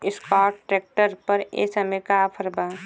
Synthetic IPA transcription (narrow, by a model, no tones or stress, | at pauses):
ɪskaːʈːʈɾek̚ʈəɾpəɾḛsɐmekapʰəɾba